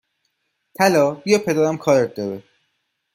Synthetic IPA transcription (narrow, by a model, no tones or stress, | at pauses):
t̪ʰælɒːbijɒːpʰe̞d̪æːɾæmkʰɒːɾet̪̚d̪ɒːɾe